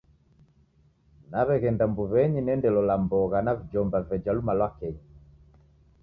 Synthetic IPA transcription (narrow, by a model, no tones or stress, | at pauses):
naβɛɣɛndambuβɛɲinɛndɛlɔlambɔɣanavid͡ʒɔmbavɛd͡ʒalumalwakɛɲi